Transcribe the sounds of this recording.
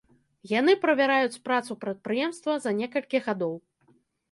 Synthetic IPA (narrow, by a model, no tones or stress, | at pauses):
jan̪ɨpɾɐvʲaɾajut͡sʲpɾat̪supɾɐt̪̚pɾɨjɛmst̪vɐzɐnʲɛkɐlʲkʲiɣad̪ɔw